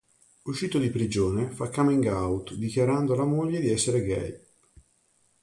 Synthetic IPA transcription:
uʃːiːt̪od̪ipɾid͡ʒoːnefakːamiŋɡawt̪d̪ikjaɾand̪olamoʎːed̪iɛsːeɾeɡɛ̰j

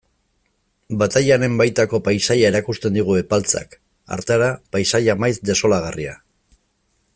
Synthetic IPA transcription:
bat̪ajane̞mbajt̪ako̞pajsajae̞ɾakust̪e̞nd̪iɣ̞ue̞palt͡sa̰k | a̰ɾt̪eaɾapajsajamajzd̪e̞so̞laɣaria

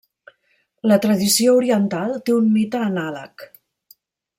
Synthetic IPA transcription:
lət̪ɾəðisiouɾiənt̪alˠt̪eunmit̪əːnalə̰k

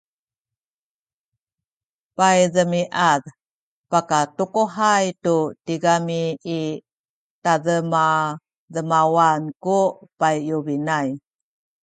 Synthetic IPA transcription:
pajdəmiʔað | pakatukoɦajtutiɡamiː | taðəma | dəmawankupajjubinaj

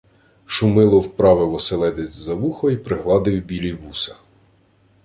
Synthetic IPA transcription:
ʃʊmɪlˠɔwpɾɑʋɪʋɔselˠɛd̪ɪzʲzɐʋuxɔipɾɪɦlˠɑd̪ɪwbʲilʲibusɐ̥

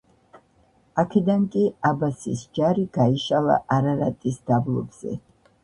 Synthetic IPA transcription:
akʰɛd̪aŋkʼiabasḭsd͡ʒaɾiɡaiʃalˠa̰ʔaɾaɾa̰t̪ʼisd̪̥ablˠɔ̰bz̥ɛ̰

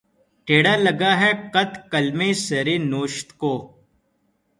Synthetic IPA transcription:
ʈeːɽalɐɡaɦɛkɐt̪kɐlmeːsɐɾeːnoːʃt̪koː

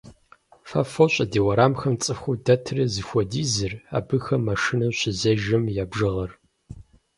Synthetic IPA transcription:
fɐ̰foɕʷʼɐdiːwɐɾaːmxɐmt͡sʼɨxʷudɐtʰrɐzɨxʷɔdiːzɨra̰ːbɨxɐmːɐʂɨnɐɕɪzɐʒɐmjaːbʒɨʁɐr

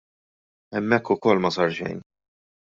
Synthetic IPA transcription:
ɛmːɛkːʊkɔlːmɐsɐɾʃɛ̰jn

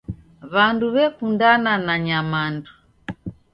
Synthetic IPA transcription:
βanduβɛfundananaɲamandu

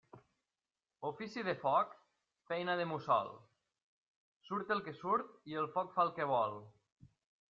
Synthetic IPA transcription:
ofisiðəfɔk | fɛjnaðəmusɔ̰l | suɾt̪əlˠkesuɾt̪̚ielˠfɔkfalˠkəβ̞ɔlˠ

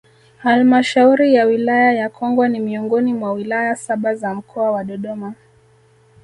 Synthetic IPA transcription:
halmaʃauɾijawilajajakʰɔŋɡwanimiɔŋɡɔnimwawilajasaɓazam̩kʰɔawaɗɔɗɔma

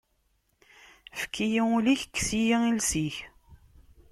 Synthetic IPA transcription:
fə̥kʰːijiuliçkːsijiilsiç

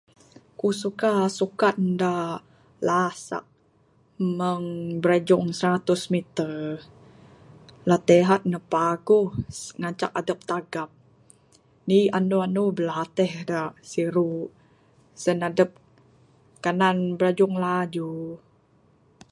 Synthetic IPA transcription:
kusukasukat̪̚da | lasa̰ʔ | məŋbəɾad͡ʒʊŋsəɾat̪ʊsmit̪ə | lat̪ɛɦat̪̚nəpaɡuhŋat͡ʃa̰k̚adəp̚t̪aɡap̚ | nianuanubəlat̪ɛhdasiɾu | sənadəp̚ | kananbəɾad͡ʒʊŋlad͡ʒu

